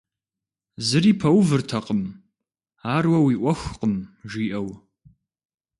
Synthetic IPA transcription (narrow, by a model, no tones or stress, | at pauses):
zɨriːpʰɐwvɨrtʰɐqəm | aːrwɐwiːʔʷɔxʷqəmʒiːʔɐw